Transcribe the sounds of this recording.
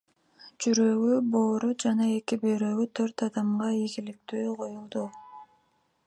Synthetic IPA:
d͡ʒyɾøɡyboːɾud͡ʒɑnɑe̞kibøɾøɡyt̪ʰøɾt̪ɑd̪ɑmʁɑiɡilik̚t̪yːqʰo̞julˠd̪u

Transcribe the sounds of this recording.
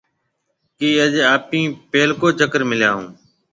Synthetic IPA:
kiːəd͡ʒaːpĩːpeːlkoːt͡ʃəkəɾmɪljãːɦṵ̃ː

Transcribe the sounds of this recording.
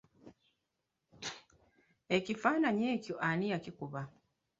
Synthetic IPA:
e̞cifaːnaɲe̞ːcoʔanijacikuβa

